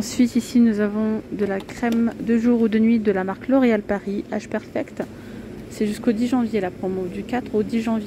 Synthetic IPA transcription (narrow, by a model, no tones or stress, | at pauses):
ɑ̃sɥit̪isinuzavɔ̃d̪əlakχɛmd̪əʒuʁud̪ənɥid̪əlamaʁklɔʁealpaʁiaʒpɛʁfɛkt̪ | sɛʒyskod̪iʒɑ̃vjelapχɔmod̪ykat̪χod̪iʒɑ̃vje